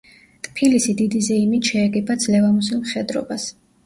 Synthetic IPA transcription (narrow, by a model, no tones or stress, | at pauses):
t̪ʼpʰilisid̪id̪izɛimit̪ʰʃɛːɡɛbʰad̪zlɛvamusilmχɛd̪ɾɔ̰bas